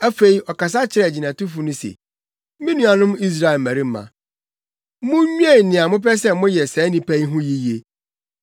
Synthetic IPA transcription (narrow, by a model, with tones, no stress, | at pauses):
æ˦fe˨i˦ɔ˨ka˨s̬a˦t͡ɕʰɪ˨ɾɛ˨d͡ʑi˨nã˨tʊ˦fu˦nʊ̃˦sḛ˨˦ | mĩ˦nũ˦a˨nʊ̃˦mi˦s̬ɾa˨e˨mæ̃˨ɾi˦m̩˦mã̰˨˦ | mʊ̃˦ɲᶣ˦e˦˨nɪ̃˨a˨mʊ̃˦p̬ɛ˦sɛ˦mʊ̃˦jɛ˨sɛː˨˦nĩ˨pæ˦i˦ɦʊ̃˦ji˦je˨